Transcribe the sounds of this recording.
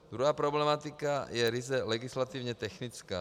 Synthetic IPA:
d̪ɾuɦaːpɾoblɛmat̪ɪkajɛɾɪzɛlɛɡɪslat̪ivɲɛt̪ɛxnɪt͡ska̰ː

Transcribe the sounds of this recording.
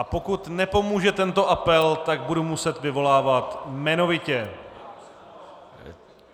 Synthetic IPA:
apo̞kut̪nɛpo̞muːʒɛt̪ɛnt̪o̞ʔapɛlt̪aɡ̚budumusɛt̪vɪvo̞laːvat̪mɛno̞vɪcɛ

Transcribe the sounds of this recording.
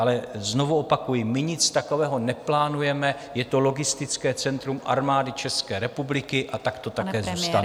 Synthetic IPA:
ʔalɛzno̞vuopakujɪmɪɲɪt͡st̪ako̞vɛːɦo̞nɛplaːnujɛmɛ | jɛt̪o̞lo̞ɡɪst̪ɪt͡skɛːt͡sɛnt̪ɾumʔa̰ɾmaːdɪt͡ʃɛskɛːɾɛpublɪkɪʔat̪akt̪o̞t̪akɛːzuːst̪an

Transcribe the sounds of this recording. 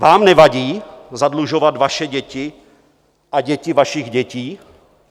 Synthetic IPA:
vaːmnɛvaɟiːzadluʒovat̪vaʃɛɟɛcɪ | ʔaɟɛcɪvaʃɪɣɟɛciː

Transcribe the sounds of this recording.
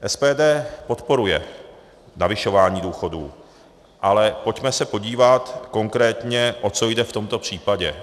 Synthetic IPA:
ʔɛspɛːdɛːpo̞t̪po̞ɾujɛ̰ | navɪʃo̞vaːɲiːduːxo̞dṵː | ʔalɛpo̞cmɛsɛpo̞ɟiːvat̪ko̞ŋkɾɛːt̪ɲɛʔo̞t͡so̞jdɛft̪o̞mt̪o̞pr̝̥iːpaɟɛ

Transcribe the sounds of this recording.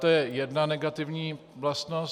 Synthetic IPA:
t̪ojɛjɛdnanɛɡat̪ɪvɲiː | vlast̪nos

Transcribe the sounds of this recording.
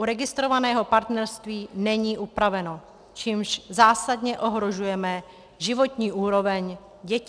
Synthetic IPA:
ʔuɾɛɡɪst̪ɾo̞vanɛːɦo̞paɾt̪nɛɾst̪viːnɛɲiːʔupɾavɛno̞ | t͡ʃiːmʒzaːsadɲɛʔo̞ɦɾo̞ʒujɛmɛ | ʒɪvo̞t̪ɲiːʔuːɾo̞vɛɲ | ɟɛc

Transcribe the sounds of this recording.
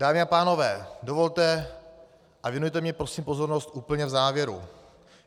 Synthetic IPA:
d̥aːmɪapaːno̞vɛːdo̞vo̞lt̪ɛ | ʔavjɛnujt̪ɛmɲɛpɾo̞siːmpo̞zo̞ɾno̞st̪ʔuːpl̩ɲɛvzaːvjɛɾṵ

